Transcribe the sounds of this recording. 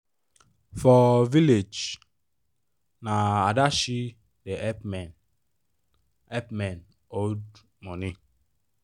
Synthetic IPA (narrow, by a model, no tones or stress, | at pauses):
fɔviled͡ʒ | naadaʃi | deɛpmn | ɛp̚mɛn | od | mɔni